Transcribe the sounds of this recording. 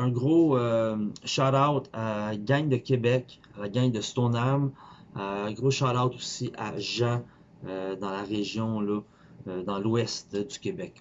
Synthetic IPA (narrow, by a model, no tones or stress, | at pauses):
ɛ̃ɡʁoøʃaɾawt̪aɡʲaɲd̪əkʲebɛk | alaɡʲaɲd̪əst̪ɔnam̃ː | ɡʁoʃalawt̪usiʔa̰ʒã | ød̪ɑ̃laʁeʒjɔ̃lɔ | d̪ɑ̃lwɛst̪d̪y̥kʲebɛk̚